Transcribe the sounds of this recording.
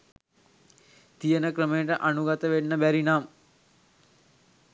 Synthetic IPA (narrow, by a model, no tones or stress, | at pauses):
t̪ijənəkrəmejəʈəʔanuɡat̪əʋenːəbæɾinaːm